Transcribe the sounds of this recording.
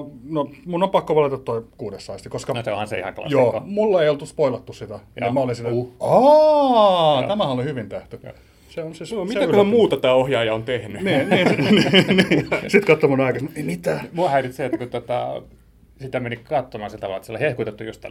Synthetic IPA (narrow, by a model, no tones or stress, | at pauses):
nomunːompɑkːoʋɑlit̪ɑt̪t̪oikuːdesːɑist̪ikoskɑnseõ̰hɑnsḛḭhɑ̰ŋklɑ̰josiːo̰mulːɑeijolt̪uspoilɑt̪ːussit̪ænimæolinsit̪æɑ | æmæhæolihyʋint̪eht̪y | seonsesmit̪ææmuːt̪ɑt̪æːohjɑːjɑont̪ehnyniniːninisit̪kɑt̪ːomunɑˑikɑsnemit̪æmuɑhæirit̪seet̪ːkut̪ot̪ɑ̰ | sit̪æmenikɑt̪ːomɑsilt̪ɑʋɑlɑet̪ːsolhehkuit̪et̪ːujust̪ːæ̰l